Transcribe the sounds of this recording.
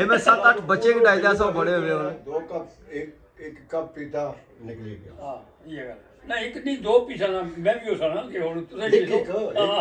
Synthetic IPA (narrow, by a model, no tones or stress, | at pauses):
eːmɛ̃ːsət̪əʈʰbət͡ʃeːkɖaːid̪aːs̬ãːbəɽeːɦoːʋeːoneːd̪oːkəp | ɪk | ɪkːəppiːt̪aː | nɪkliːɡa̰ːɦaː | iːɡəl | nãɪknĩːd̪oːpiːsãːnamɛ̃ːbiːɦoːsãːnaːlkeɦoːɽũːt̪ʊsẽː